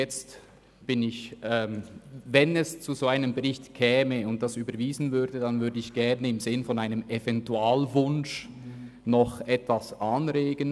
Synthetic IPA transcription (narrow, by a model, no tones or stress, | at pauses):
jɛt͡st | b̥ɪnɪçɛːmvɛnɛst͡suzoːaɪnəmbəʁɪçtkʰɛːməʊnt̚d̥asyːbɐɾviːzn̩vʏɐdədanvʏɐdəɪçɡ̥ɛʁnəɪmzɪnfɔnaɪnəmɛvɛntuaːlvʊnʃ | nɔχɛtv̥asʔɑnɾeːɡən